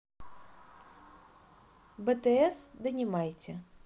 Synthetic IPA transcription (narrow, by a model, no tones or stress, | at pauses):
bɛt̪ɛɛsd̪ɨnʲɛmajt͡sʲɛ